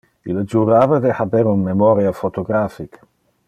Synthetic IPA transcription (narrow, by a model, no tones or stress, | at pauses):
iləd͡ʒuɾaːvəd̪ehabɛɾunmemɔɾjafot̪oɡɾafik